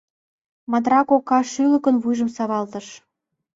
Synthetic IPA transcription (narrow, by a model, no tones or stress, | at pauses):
mɑd̪ɾɑkokːɑʃylə̆kə̆nβujʒə̆msɑβɑlt̪ə̆ʃ